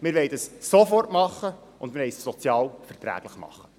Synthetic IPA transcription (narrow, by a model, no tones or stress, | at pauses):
mɪɾʋɛɪdɑssofɔrtmɑχːə | ʊndmɪɾʋɛɪsːɔt͡sjɑːlfɛrtɾæ̰ːɡ̥ləχmɑ̰χːə̥